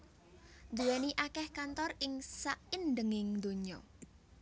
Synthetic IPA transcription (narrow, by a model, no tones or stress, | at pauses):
nd̪uɛniʔakɛhkant̪ɔrɪŋsaʔɪnɖ̪əŋɪŋd̪o̤ɲɔ̰